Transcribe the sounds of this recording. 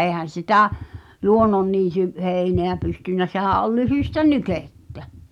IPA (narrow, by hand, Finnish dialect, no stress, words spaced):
eːhæn̞ sitæ luonːonːiːty heˑineæ pystynːæ sehæˑʔ ʔol lyhyˑstæ nykeˑtːæ